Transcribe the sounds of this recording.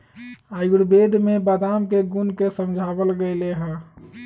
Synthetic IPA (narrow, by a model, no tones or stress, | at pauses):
ajɡuɽbed̪ʱmebəd̪amkeɡunkesəmd͡ʒʱabəlɡəɪleɦɛ̃